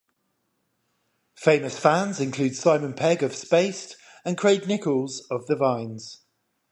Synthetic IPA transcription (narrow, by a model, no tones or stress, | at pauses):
feɪ̃məsfãnzɪ̃nkʰl̥ʉːd̥sãɪmə̃npʰɛɡəv̥speɪst | ə̃nkʰɹ̥eɪdⁿnɪkəlˠzəvðəvãɪ̃nz̥